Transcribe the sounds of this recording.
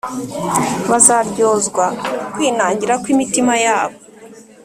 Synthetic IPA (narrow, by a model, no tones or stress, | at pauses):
βazaɾɟo̞ːzɡwakwiːnaːɲɟiɾakwimitimajaːβo